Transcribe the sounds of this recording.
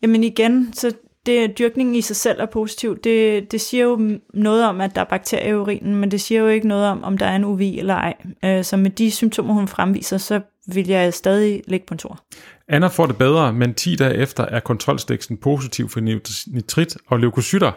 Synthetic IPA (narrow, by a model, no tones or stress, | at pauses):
jæmeniɡ̥ensɒ̽ | d̥e̝d̥yɐɡ̥ne̝ŋn̩isɑ̈ɪsel̰ʔæɐpʰo̝si̥t͡sʰiʊ̰d̥e̝d̥e̝siːɐjo̝nɔ̽ːð̩ˠɒ̽mæd̥ɑ̈æɐb̥ɑ̈ɡ̥̚t͡sʰe̝̰ɐjiuʁḭːnn̩mend̥e̝siːɐjo̝e̝ɡ̥ənɔ̽ːð̞̩ˠɒ̽mʔɒ̽md̥ɑ̈æɐe̝nuʋḛːelɐɑ̈ɪ̰øsɒ̽med̥isymt͡sʰo̝̰ːmɐhunfʁamʋḭːsɐsɒ̽ | ʋe̝ljɑ̈ɪsd̥ɛːð̞ˠileɡ̥̚pʰɒ̽nt͡sʰo̝ɐ̰ænɐfɒ̰ːd̥e̝b̥eð̞ˠʁɐment͡sʰḭːd̥ɛ̰ːʔefd̥ɐʔæɐkʰɒ̽nt͡sʰʁɒ̽lsd̥eɡ̥sd̥n̩pʰo̝ːs̬it͡sʰiʊ̰fɒnit͡sʰʁid̥ɒ̽leʊkʰosyɾ̥ɐ